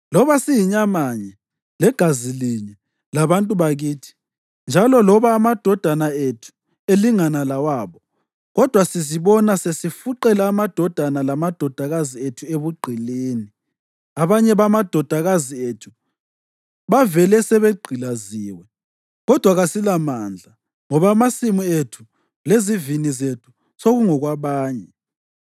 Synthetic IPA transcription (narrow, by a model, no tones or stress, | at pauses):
lɔβasijiɲamaɲɛ | lɛɡ̥ʱaziliɲɛ | laβantʼuβaɣiːtʰi̥ | nd͡ʒʱalɔlɔβaːmad̥ʱɔd̥ʱanaetʰu̥ | eliŋanalawaβɔ | ɣɔd̥ʱwasiziβɔnasesifuǃɛlaːmad̥ʱɔd̥ʱanalamad̥ʱɔd̥ʱaɣazietʰueβuɡ͡ǃʱiliːni | aβaɲɛβamad̥ʱɔd̥ʱaɣazietʰu̥ | βavɛlɛsɛβeɡ͡ǀʱilaziːwɛ | ɣɔd̥ʱwaɣasilamaːnd͡ɮʱa | ŋɔβamasimuetʰu | lezivinizetʰu̥ | soɣuŋɔɣwaβaːɲɛ